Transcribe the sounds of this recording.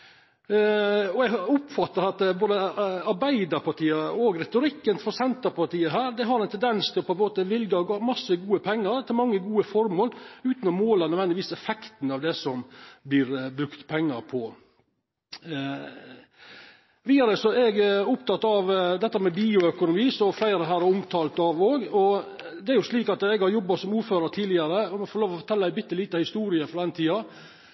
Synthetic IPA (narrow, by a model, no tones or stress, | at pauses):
ɔɛɡʊpfɑt̪ːəɾɑt̪boːd̪əɑɾbæɪd̪əɾpɑʈʰiːəoɡɾɛt̪ʊɾɪkːənfɔɾsɛnt̪əɾpɑʈ̪iːəɦæːɾd̪ɛɦɑɾɛnt̪ʰɛnd̪ɛnst̪ʰɪlɔpʰɔɛnmoːt̪əʋɪlɡɑɡmɑsəɡuːəpʰɛŋːəɾt̪ʰɪlmɑŋːəɡuːəfɔɾmoːlʉːt̪nɔmoːlɑɾnœd̪ʋɛnɪʋiːsɛfɛkt̪nɑʋd̪ɛsɔmblɪɾbɾʉkt̪pʰɛŋːəɾpʰɔ | ʋiːd̪ɑɾəsɔɛɡʊpt̪ʰɑt̪ːɑʋd̪ɛt̪ːəɾmɛbiːʊœkʊnʊmiːsɔflæɪɾəɦæːɾæɾʊmt̪ʰɑːlt̪ɑʋoːɡɔd̪ɛæɾjʊʂliːkɑt̪ɛɡhɑɾjɔbːɑsɔmuːɾføːɾət̪ʰiːlɪɑɾəɔmɛfɔɾloːʋɔfɔʈ̪ʰɛlːæɪbʏt̪ːəliːt̪ɑhɪst̪uːɾɪəfɾɔd̪ɛnt̪ʰiːɑ